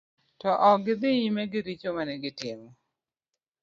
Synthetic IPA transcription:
tɔʔɔɡɪd̪ɪjimɛɡɪɾit͡ʃomanɛɡɪtɪmɔ

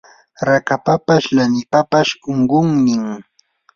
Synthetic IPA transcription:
ɾakapapaʃlanɪpapaʃoɴɢʊŋnɪŋ

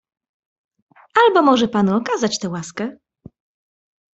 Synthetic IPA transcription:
albɔmɔʐɛpanuɔkazat͡ɕt̪ɛwaskɛ

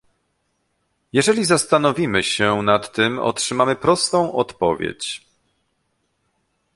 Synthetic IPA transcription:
jɛʐɛlʲizast̪an̪ɔvʲimɘɕɛnat̪ːɘmɔ̰tʂɘmamɘpɾɔst̪ɔ̃w̃ʔɔt̪pɔvʲjḛt͡ɕ

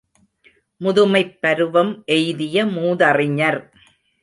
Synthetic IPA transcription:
mʊðʊmɐɪpːɐɾɯʋɐmʔɛjðɪjɐmuːðɐrɪɲɐɾ

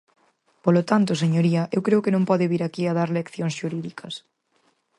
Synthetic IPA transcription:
polot̪ant̪ʊseɲoɾiɐʔewkɾeʊkenõmpɔðɪβiɾakiaðaɾlekθjoŋsʃuɾiðikʰɐs

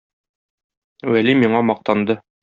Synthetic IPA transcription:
wælimiɴɑmɒq̚t̪ɑnd̪ɤ

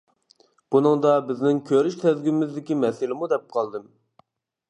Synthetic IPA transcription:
b̥unɨŋd̪ɑbɪznɪŋkʲʰøɾyʃt̪ʰɛzɡʲymɪzd̪ɪkʲimɛsɪlɪmud̪ɛp̚qʰɑlˠd̪ɨm

